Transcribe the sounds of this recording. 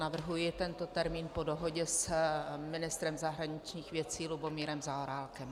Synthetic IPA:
navr̩ɦujɪt̪ɛnt̪o̞t̪ɛɾmiːnpo̞doɦo̞ɟɛsmɪnɪst̪ɾɛmzaɦɾaɲɪt͡ʃɲiːxvjɛt͡siːlubo̞miːɾɛmzaoɾaːlkɛm

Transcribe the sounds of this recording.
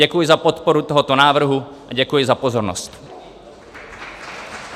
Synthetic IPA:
ɛkujɪzapot̪poɾut̪oɦot̪onaːvr̩ɦuʔaɟɛkujɪzapozoɾno̰st̪

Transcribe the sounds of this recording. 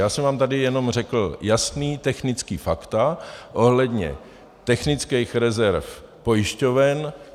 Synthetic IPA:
jaːsɛmvaːmt̪adɪjɛno̞mr̝ɛkl̩jasniːt̪ɛxnɪt͡skiːfakt̪aʔo̞ɦlɛd̪ɲɛ̰ | t̪ɛxnɪt͡skɛjxɾɛzɛɾf | po̞jɪʃco̞vɛn

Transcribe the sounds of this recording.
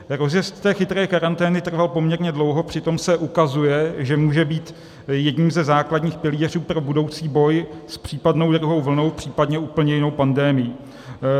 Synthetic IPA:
ɾo̞zjɛst̪t̪ɛːxɪt̪ɾɛːkaɾant̪ɛːnɪt̪r̩valpo̞mɲɛɾɲɛdlo̞wɦo̞pr̥ɪt̪o̞msɛʔukazujɛʒɛmuːʒɛbiːt̪ | jɛdɲiːmzɛzaːkladɲiːxpɪliːr̝uːpɾo̞budo̞wt͡siːbo̞jspr̝̥iːpadno̞wd̪ɾuɦo̞wvl̩no̞wpr̝̥iːpadɲɛʔuːpl̩ɲɛjɪno̞wpandɛːmɪji

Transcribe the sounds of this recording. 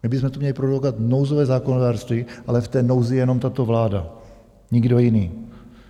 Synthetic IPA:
mɪbɪzmɛt̪omɲɛlɪpɾodlokat̪nowzovɛːzaːkonodaːɾrst̪viːʔalɛft̪ɛːno̞wzɪjɛno̞mt̪at̪o̞vlaːda | ɲɪɡdojɪniː

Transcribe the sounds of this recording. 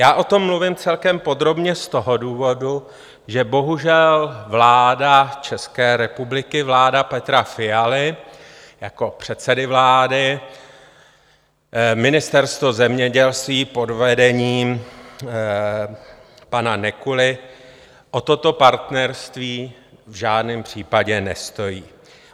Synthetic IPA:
jaːʔo̞t̪o̞mːluvɪmt͡sɛlkɛmpo̞d̪ɾo̞bɲɛst̪o̞ɦoduːvo̞du | ʒɛbo̞ɦuʒɛlvlaːdat͡ʃɛskɛːɾɛpublɪkɪvlaːdapɛt̪ɾafɪjalɪ | jako̞pr̝̥ɛt̪sɛdɪvlaːdɪ | mɪnɪst̪ɛɾst̪vozɛmɲɛɟɛlst̪viːpo̞dvɛdɛɲiːm | pananɛkulɪ | ʔo̞t̪ot̪o̞paɾt̪nɛɾst̪viː | vʒaːdnɪmpr̝̥iːpaɟɛnɛst̪o̞jiː

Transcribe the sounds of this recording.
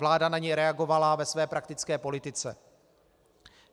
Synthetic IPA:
laːdanaɲɛjɾɛaɡo̞valavɛsvɛːpɾak̚t̪ɪt͡skɛːpo̞lɪt̪ɪt͡sɛ

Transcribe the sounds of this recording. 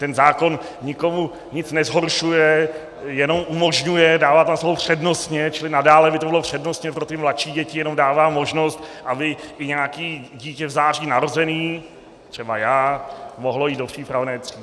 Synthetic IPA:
t̪ɛnzaːko̞n | ɲɪko̞mu | ɲɪt͡snɛzɦo̞ɾʃujɛ | jɛno̞mʔumo̞ʒɲujɛdaːvaːt̪amsobopr̝̥ɛdno̞st̪ɲɛt͡ʃɪlɪnadaːlɛbɪt̪obɪlopr̝̥ɛdno̞st̪ɲɛpɾot̪ɪmlatʃiːɟɛcɪjɛno̞mdaːvaːmo̞ʒno̞st̪ʔabɪʔɪɲɛakiːɟiːcɛvzaːriːnaɾo̞zɛniː | t̪r̝̥ɛbajaːmoɦlo̞jiːd̪dopr̥iːpɾavnɛːt̪r̥i

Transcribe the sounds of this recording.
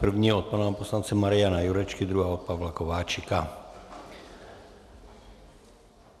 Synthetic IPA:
pr̩vɲiɔt̪̚panaapɔslant͡sɛmaɾianajuɾɛt͡ʃkid̪ɾuɦaːɔt̪̚paʋlakɔʋaːt͡ʃika

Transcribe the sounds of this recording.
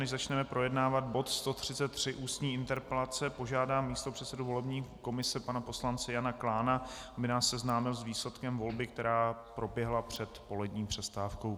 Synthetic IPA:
nɛʒzat͡ʃnɛmɛpɾo̞jɛdnaːvad̪̚bo̞t̪st̪o̞t̪r̝̥ɪt͡sɛt̪ːr̝̥ɪʔuːst̪ɲiːʔɪnt̪ɛɾpɛlat͡sɛpo̞ʒaːdaːmːiːst̪o̞pr̥ɛt̪sɛduvo̞lɛbɲiːko̞mɪsɛpanapo̞slant͡sɛjanaklaːnaabɪnaːsːɛznaːmɪlzviːslɛt̪kɛmvo̞lbɪk̚t̪ɛɾaːpɾo̞bjɛɦlapr̝̥ɛt̪po̞lɛdɲiːpr̝̥ɛst̪aːfkow

